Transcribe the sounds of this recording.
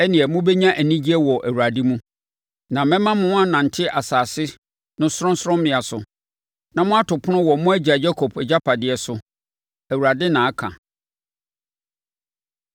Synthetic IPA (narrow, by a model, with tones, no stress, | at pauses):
ɛ˦nɪ̃˨ɛ˨mʊ̃˦bɛ˦ɲã˦ʔæ˨nĩ˦d͡ʑi˦ɛ˦wɔ˨ʔæ˨wu˨a˨dɪ˦mũ˦ | nã˨mɛ̃˦mã˦mʊ̃˦a˦nã˨n̩˨tʰɪ˦ʔa˨saː˨sɪ˦ | nʊ̃˦sʊ˦ɾʊ̃˦sɾʊ̃˦m˦mɪ̃˨a˨sʊ˨ | nã˨mʊ̃˦a˦tʊ˨pʰʊ˦nʊ̃˦wɔ˨mʊ̃˦æ˦d͡ʑa˨d͡ʑɛ˦kʰɔ˨pʰɛ˨d͡ʑa˦pʰa˨dɪ˨ɛ˨sʊ˨ | æ˨wu˨ɾa˨dɪ˦nã˨a˦kʰã̰˨